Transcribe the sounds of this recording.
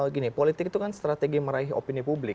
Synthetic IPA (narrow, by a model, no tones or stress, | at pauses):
ɡinipolit̪ɪkt̪ukanst̪ɾat̪eɡiməɾaɪɦo̰pinipublɪ